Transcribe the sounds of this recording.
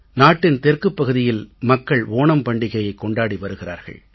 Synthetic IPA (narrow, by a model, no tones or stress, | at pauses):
naːʈːɪnt̪ɛrkɯpːɐɣɯðɪjɪlmɐkːɐɭʋoːnɐmpɐɳɖɪɣɐjɐɪkːɔɳɖaːɽiʋɐɾɯɣɪra̰ːɾɣɐ̰ɭ